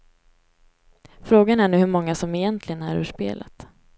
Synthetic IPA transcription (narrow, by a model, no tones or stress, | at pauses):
fɾoːɡanæɳʉ̟ːhɵɾmɔŋːasɔmɪjɛnt̪ʰlɪɡənaɾʉ̟ːʂpḛːlʔa̰t̪